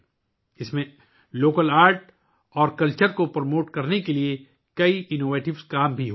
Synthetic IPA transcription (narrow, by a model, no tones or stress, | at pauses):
ɪsmẽ | loːkəlaːɾʈ | ɔːɾkɐlt͡ʃəɾkopɾmoːʈkɐɾnekelie | kɐiʔɪnoːʋeːʈɪʋskaːmbʱiɦo